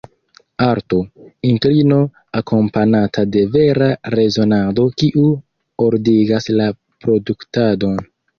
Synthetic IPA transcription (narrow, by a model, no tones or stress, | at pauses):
aɾtointɾino̞ | akʰo̞mpanatʰade̞ve̞ɾaɾe̞zo̞nado̞kiʔu | oɾdiɡasla | pɾo̞duktado̞n